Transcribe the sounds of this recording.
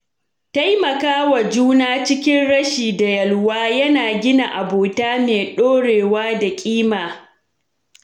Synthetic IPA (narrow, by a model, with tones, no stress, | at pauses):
ta˦jmɐ˨kaː˦wɐ˨d͡ʒuː˦naː˦t͡ʃɪ˦kʲɪ˦nɽɐ˦ʃiː˨da˨jɐ˨lwaː˦jɐ˦naː˨ɡʲɪ˦na˨ʔa˨boː˨taː˦meː˨ɗoː˦ɽeː˨waː˦da˨kʲʼiː˦maː˨